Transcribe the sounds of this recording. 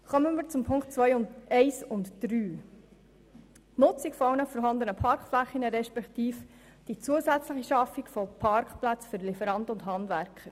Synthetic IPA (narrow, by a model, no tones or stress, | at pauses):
χœmənmiːɾt͡sʊmpʰʊŋktt͡sʋœjʊntɛɪsʊntd̥ɾyː | nʊt͡sikfɔɑwnəfɔɾɦɑnd̪ənəpʰɑɾkχflæχinəɾɛʃpɛktiːf | d̥it͡suəsæt͡sləχiʃɑfːikfɔpʰɑɾkχplæt͡sføɾlifəɾɑndəʊndɦɑndvæɾkχəɾ